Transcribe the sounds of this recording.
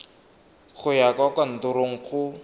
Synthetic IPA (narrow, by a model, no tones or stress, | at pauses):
k͡xʰʊjakwakwan̩tʊɾoŋ̩χʰʊ